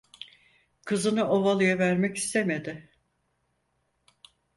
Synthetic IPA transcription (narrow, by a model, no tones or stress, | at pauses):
kʰɯzɯnɯʔovalˠɯjavæɾmɛci̥st̪ʰemed̪ɪ